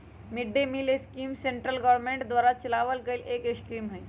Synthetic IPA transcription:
miɖːemiːleskimseɳʈɾəlɡɔʋɾmẽɳʈd̪ʋaɾat͡ʃəlaʋəlkəjlʔekeskɾimɦəj̪

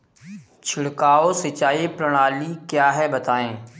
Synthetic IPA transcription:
t͡ʃʰɪɽkaːosɪt͡ʃaːipɾɐɽ̃aːlikjaːɦɛbɐt̪aːẽː

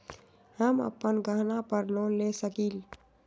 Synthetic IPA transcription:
həmə̰pːənɡəɦnapəɾnɔlesəkil

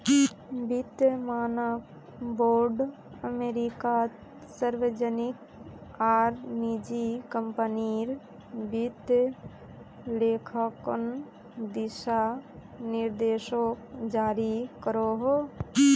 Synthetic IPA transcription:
bit̪jmaːnək | boːɾɖ | əmeːɾika | səɾʋed͡ʒənik | aːɾnid͡ʒikəmpəniɾ | bit̪ | leːkʰakən | d̪iʃa | niɾd̪eːʃokd͡ʒaːɾikəɾoɦo

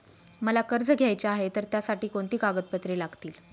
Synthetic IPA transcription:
məlakəɾd͡zɡʱjajt͡ɕaaɦet̪əɾt̪jasaʈiːkoɳt̪iːkaɡət̪̚pət̪ɾelaɡt̪iːl

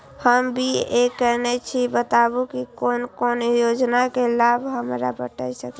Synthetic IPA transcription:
həmbʱiekɛnɛt͡ʃʰibət̪abukikonkonjod͡ʒnakelabʱɦəmɾa̰bəʈə̰jsək

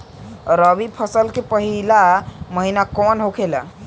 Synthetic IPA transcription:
ɾəbipʰəsəlkepəɦilaməɦinakɔnɦokʰelə̰

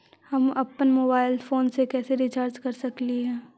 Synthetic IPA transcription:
hɐmɐpənmoːbaːɪlfoːnsekɛːseɾɪt͡ʃəːɾt͡ʃkɐɾsɐkliɦɛ̃ː

